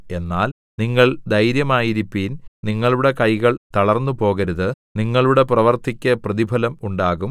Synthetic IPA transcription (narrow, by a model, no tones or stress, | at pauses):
e̞nːaːl | niŋːɐɭd̪ʱɐjɾjɐmaːjiɾipːiːnniŋːɐɭuɽe̞kɐjɣɐɭt̪ɐɭɐrnːupo̞ːɣɐɾuðɨ | niŋːɐɭuɽe̞prɐʋɐrt̪ʰikʲːɐprɐðibʱɐlɐmuɳɖaːɣum